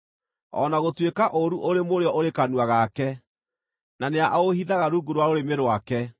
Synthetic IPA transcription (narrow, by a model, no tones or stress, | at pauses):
ɔ̰naɣotwekaʔoɾuʔoɾemoɾeɔʔoɾekanwaɣakɛ | naneaʔaohiðaɣaɾuːɡuɾwaoɾemeɾwakɛ